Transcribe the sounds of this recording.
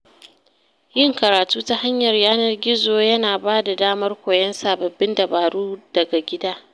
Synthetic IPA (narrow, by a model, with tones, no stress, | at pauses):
jɪ˦ŋkɐ˨ɾaː˨tuː˦ta˦ha˦ɲjɐ˨rjaː˦nɐ˦˨rɡʲɪ˦zoː˨jɐ˦naː˨baː˦da˨daː˦mɐ˦rkʷoː˨jɐ˦nsaː˨bɐ˨bːɪ˦ndɐ˨baː˨ɽuː˦d̥ɐ˨ɡa˨ɡʲɪ˦daː˦